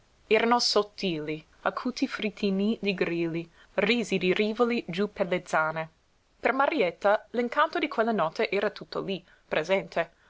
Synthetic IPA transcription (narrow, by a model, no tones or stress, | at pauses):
ɛːɾanosot̪ʰːiːli | akʰuːt̪ʰifɾit̪ʰinid̪iɡɾiːli | riːzid̪iɾiːvolid͡ʒuperled̪zaːne | permaɾiet̪ːaliŋkant̪od̪ikʰwelːanɔt̪ʰeʔɛːɾat̪ut̪ːo̰li | pɾʔezɛnt̪ʰe